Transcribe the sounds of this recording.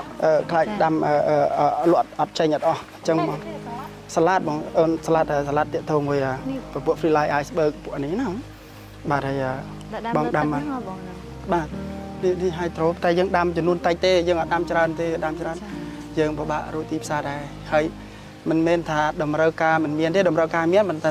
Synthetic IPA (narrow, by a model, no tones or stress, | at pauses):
ʔəːkʰlaːk̚ɗamʔəːʔəːlʊ̆ət̪̚ʔɑt̪̚t͡ɕəɲʔɑt̪̚ʔɑh | t͡ɕəŋːŋ | salaːt̪̚mɑːŋʔəːnsalaːt̪̚ʔəːsalaːt̪ːɛ̆əʔt̪oːmuəjʔəːpːpŭəʔfʰriːlajʔaːjsɓəːk̚pʊ̆əʔnihnaŋ | ɓaːt̪̚həːjʔəː | ɓɑŋɗamə | ɓaːt̪̚ninihɦaəjt̪roːpʰt̪aɛjəːŋɗamt͡ɕɑmnuənt̪əc̚t̪eːjəːŋʔɑt̪̚ɗamt͡ɕraənt̪eːɗamt͡ɕraən | jəːŋpəɓa̰ːʔruəc̚t̪iːpʰsaːɗaɛ | haəj | mɨnmɛːnt̪ʰaːɗɑmrəwkaːmɨnmiənt̪eːɗɑmrəwkaːmiənmənt̪a